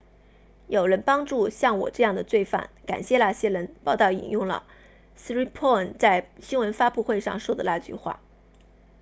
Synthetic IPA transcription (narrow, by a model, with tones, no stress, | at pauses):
jo˨˩ʊɻə˧˥npɑ˥ŋʈ͡ʂu˥˧ɕjɑ˥˩ŋwɔ̰˨˩ʈ͡ʂɤ˥˧jɑ˥˩ŋd̪ə˩t͡swe˥˧ɪfa̰˥˩nka̰˨˩nɕjɛ˥˩la˥˩ɕjɛ˥lə˧˥npɑ˥˧ʊt̪ɑ˥˩ʊḭ˨˩njʊ˥˩ŋlə̰˩ | s̩˥i˥pʰɔ˥˩nt͡sa˥˩ɪɕi˥nwə˧˥nfa˥pu˥˧xwe˥˧ɪʂɑ̰˥˧ŋʂwɔ˥˩d̪ə˨la˥˧˩t͡ɕy̰˥˧xwa̰˥˩